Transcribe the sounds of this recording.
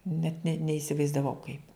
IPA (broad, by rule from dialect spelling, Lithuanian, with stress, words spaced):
nʲɛt nʲɛ nʲɛɪsʲɪʋɐɪzdɐˈʋɐʊ kɐɪp